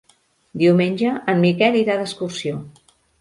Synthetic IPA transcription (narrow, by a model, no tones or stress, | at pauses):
d̪iwmenʲʒəʔəmːikɛliɾaðəskursio